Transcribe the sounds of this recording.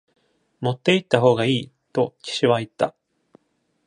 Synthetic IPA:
mo̞t̪ːe̞it̪ːaɦo̞ːɡaiː | t̪o̞ci̥ɕiβait̪ːa̰

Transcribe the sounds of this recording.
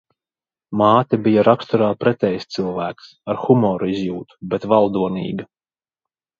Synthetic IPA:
maːt̪ʲabijaɾakst̪uɾaːpɾɛt̪ʲɛjst̪sɨlˠvæːksaɾxumɔːɾuizjuːt̪u̥bet̪valˠd̪uɔnḭːɡɐ

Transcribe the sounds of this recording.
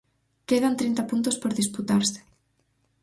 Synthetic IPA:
keðant̪ɾint̪apunt̪ospoɾðisput̪aɾse̥

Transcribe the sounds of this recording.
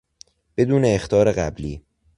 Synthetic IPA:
b̥e̞d̪uːne̞ːxt̪ʰɒːɾe̞ɣæbliː

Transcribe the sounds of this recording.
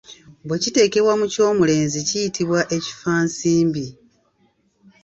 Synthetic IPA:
bwe̞cite̞ːke̞βwamuco̞ːmule̞ːnzicijitʰiβwaʔe̞ci̥faːnsiːmbi

